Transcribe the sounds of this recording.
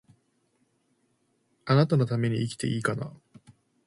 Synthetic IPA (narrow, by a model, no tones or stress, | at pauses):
anat̪ano̞t̪ame̞ɲ̟iikʲi̥t̪e̞̰ʔiːkana̰